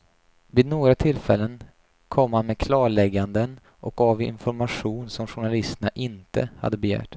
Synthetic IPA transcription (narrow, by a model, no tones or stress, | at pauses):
viːd̪noːɡɾat̪ʰɪlːfɛlːən | kʰɔmːhanmeːd̪kʰlɑːɭɛɡːand̪ən | ʔɔk̚avɪ̰nfɔɾmaɧuːnsɔmɧʊɳalɪst̪ənaʔɪnt̪ə̰ha̰d̪ːəbɛjæ̰ːʈ